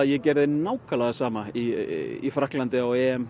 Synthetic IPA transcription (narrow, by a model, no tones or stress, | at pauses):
ðjɛcɛɾðɪnaːwkalaɣasaːmaiḭfɾahklant̪ɪawɛːɛm